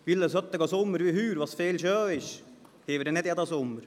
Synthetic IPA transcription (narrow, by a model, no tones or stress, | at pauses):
ʋilːəsœt̪ːəɡɑsʊmːəɾʋihyːɾʋɑsfeːlʃœːɪʃ | heːʋədɛnɛdjɑd̪ɑsʊmːəɾ